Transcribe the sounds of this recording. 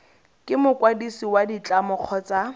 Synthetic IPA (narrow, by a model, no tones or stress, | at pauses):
kʼɪmʊkʼwadisiwadit͡ɬʼamʊq͡χʰɔt͡sa